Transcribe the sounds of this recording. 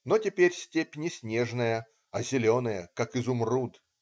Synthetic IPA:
notʲɪpʲeɾʲsʲtʲepʲnʲɪsʲnʲeʐnəjə | ɐzʲɪlʲo̞nəjəkakɨzʊmrud̪

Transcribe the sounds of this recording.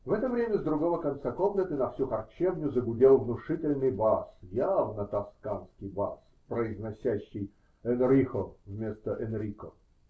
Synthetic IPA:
vɛt̪əvɾʲemʲəzd̪ɾʊɡovəkɐnt̪sakomnət̪ɨnɐfsʲuxɐrt͡ɕevnʲʊzəɡʊdʲelˠvnʊʂɨtʲɪlʲnɨjbasjavnət̪ɐskanskʲɪjba̰s | pɾəɪznɐsʲæɕːɪj | ɛnɾʲixovmʲe̞st̪əʔɛnɾʲiko

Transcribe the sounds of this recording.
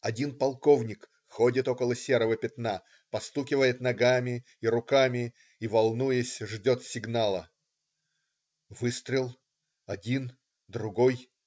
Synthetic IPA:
ɐdʲinpɐlˠkovnʲɪk | xodʲɪt̪o̞kəlˠəsʲeɾəvəpʲɪt̪na | pɐst̪ukʲɪvəjɪt̪nɐɡamʲɪ | iɾʊkamʲɪ | ivɐlˠnujəsʲʐdʲo̞t̪sʲɪɡnalˠə̰ | vɨst̪ɾʲɪlˠ | ɐdʲin | d̪ɾʊɡo̞j

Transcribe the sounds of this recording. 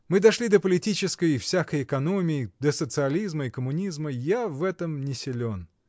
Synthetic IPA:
mɨd̪ɐʂlʲid̪əpəlʲɪtʲit͡ɕɪskəjɪfsʲakəjɪkɐnomʲɪɪd̪əsət̪sɨɐlʲizməɪkəmʊnʲizməjavɛt̪əmnʲɪsʲɪlʲon

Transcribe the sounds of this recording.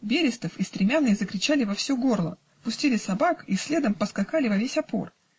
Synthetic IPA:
bʲeɾʲɪst̪əfist̪ɾʲɪmʲanːɨjəzəkɾʲɪt͡ɕalʲɪvɐfsʲoɡo̞rlˠə̰ | pʊsʲtʲilʲɪsɐbakisʲlʲe̞d̪əmpəskɐxalʲɪvɐvʲesʲɐpo̞̰r

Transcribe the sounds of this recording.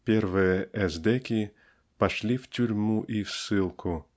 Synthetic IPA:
pʲervɨjəʔɛzd̪ɛkʲi | pɐʂlʲiftʲuɾʲmuʔifsɨlˠkʰʊ

